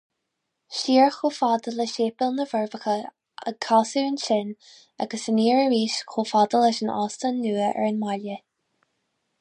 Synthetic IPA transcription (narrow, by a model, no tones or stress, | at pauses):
ʃiːɹxoːfad̪ələʃeːpɪlnəvəɹvəxə | ə̰kʰaːsuənʃɪn | aɡəsəniːɹəɹiːʃxʰoːfad̪ələʃənɑ̰ːstənːuːəʔɛ̰ɹənmaljə